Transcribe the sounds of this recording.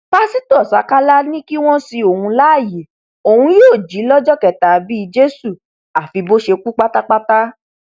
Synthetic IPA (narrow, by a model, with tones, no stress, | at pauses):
k͡pa˦si˦tu˦ɔ˨sa˨˦ka˦la˦nĩ˦ki˦w̃ɔ̃˦si˧o˨hũ˧la˦˨ji˨ | o˨hũ˧joː˦˨d͡ʒi˨˦lɔ˦d͡ʒɔ˦kɛ˨ta˨bi˦˧d͡ʒe˦su˦˨ | a˨fi˧bo˦ʃe˧ku˦k͡pa˦ta˦k͡pa˦ta˦